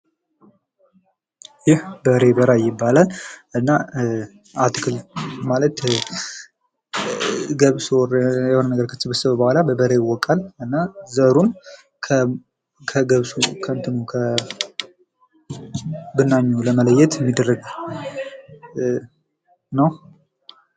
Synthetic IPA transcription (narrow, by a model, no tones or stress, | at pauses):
jɪhbəɾebəɾajɪbːalalʔɨnːa | at̪ɨkʰɨlmalət̪ | ɡəβsorjɛhonənːəɡəɾkʰət̪ːɨbəsəβəbəhʷalabəbəɾejwːɔkʼːalɨnːazəɾun | kʰə | kʰəɡəβsukʰənt̪ʰɨnukʰə | bɨnːaɲːuləmələjɛt̪ɛmːid̪ərəɡ | nəw